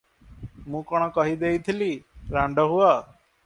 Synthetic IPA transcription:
mũːkɔɽ̃ɔkɔɦid̪eit̪ʰiliɾãɳɖɔɦuaː

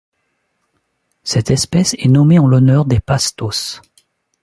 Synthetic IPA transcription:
sɛt̪ɛspɛsɛnɔmeɑ̃lɔnœʁd̪epast̪os

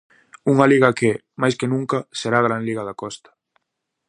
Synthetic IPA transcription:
uŋaliɣɐke | majskenũŋkɐseɾaɣɾanliɣɐðakɔst̪ɐ̥

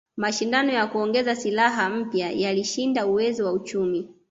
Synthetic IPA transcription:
maʃindanɔjakuɔŋɡɛzasilaɦam̩pjajaliʃindauwɛzɔwaut͡ʃumi

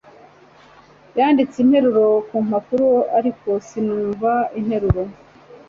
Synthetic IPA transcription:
jaːndit͡sinhe̞ɾuɾo̞kuːm̥akuɾuaɾiko̞sinuːɱvain̥he̞ɾuɾo

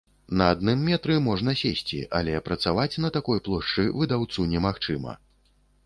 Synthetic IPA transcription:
nɐad̪̚nɨmːʲɛt̪ɾɨmɔʐnɐsʲesʲt͡sʲḭʔa̰lʲɛpɾɐt̪savat͡sʲnɐt̪akɔjplˠɔʂt͡ʂɨvɨd̪awt̪sunʲɛmaxt͡ʂɨmɐ̰

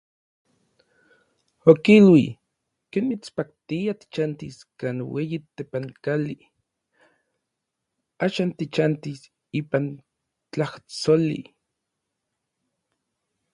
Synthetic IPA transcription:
okilwi | kenmit͡spak̚t̪iat̪i̥t͡ʃant̪iskaːnweːjit̪epaŋkali | aːʃaːnt̪it͡ʃant̪is | iːpan | t͡ɬaht͡solḭ

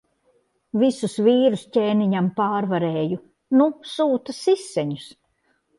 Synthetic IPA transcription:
visusviːɾuscʲeːniɲampaːɾvaɾeːju | nusuːt̪asisːɛɲus

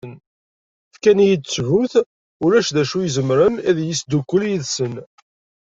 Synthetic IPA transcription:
n | fkænjit͡sːʕuθ | ulæʃðæʃujəzəmɾənæðjisd̪ukʷːəljəðsən

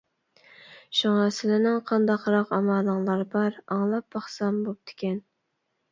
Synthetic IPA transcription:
ʃuŋɑsɪlɪnɪŋqʰɑnd̪ɑqɾɑqɑmɑːləŋlˠɑɾbɑɾɑŋlˠɑp̚bɑχsɑmbop̚d̪̥ʰɪ̥kʲɛn

